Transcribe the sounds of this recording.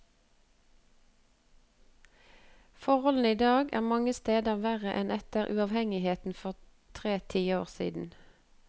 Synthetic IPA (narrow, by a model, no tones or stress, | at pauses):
fɔʁhɔln̩iːd̪ɑːɡæ̰ːʁmɑŋəst̪eːd̪əʁʋæːʁəʔɛnɛt̪əʁʔʉ̰ɑʋhɛŋɪheːt̪n̩fɔʁ | t̪ʰʁeːt̪ʰiːoːʁsḭːd̪n̩